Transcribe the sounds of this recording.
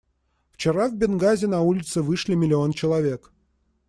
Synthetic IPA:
ft͡ɕɪɾavʲbʲɪnɡazʲɪnɐulʲɪt̪sɨvɨʂlʲɪmʲɪlʲɪo̞nt͡ɕɪlˠɐvʲe̞k

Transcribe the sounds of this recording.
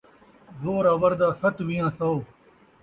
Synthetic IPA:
zoːɾaːʋɐɾd̪aːsɐt̪ʋijãːsɐoː

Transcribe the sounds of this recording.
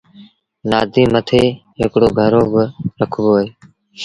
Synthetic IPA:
naːd̪ʱiːmət̪ʰeːɦɪkɽoːɡʱəɾoːbəɾəkʰʋoːɦeː

